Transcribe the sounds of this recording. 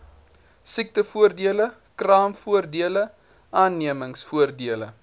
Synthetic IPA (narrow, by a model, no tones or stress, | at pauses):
sik̚təfuərdiələ | krɑːmfuərdiələ | ʔɑːnːiəməŋsfuərdiələ̰